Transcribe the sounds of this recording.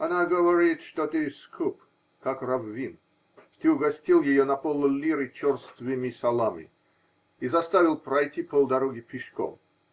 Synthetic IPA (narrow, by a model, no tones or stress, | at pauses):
ɐnaɡəvɐɾʲit̪ʂt̪ot̪ɨskʰup | kakravvʲin | t̪ɨʊɡɐsʲtʲilˠjɪjonɐpolˠlʲiɾɨt͡ɕɔrst̪vʲɪmʲisɐlˠamʲɪ̰ | izɐst̪avʲɪlˠpɾɐjtʲipʰolˠd̪ɐɾoɡʲɪpʲɪʂko̰m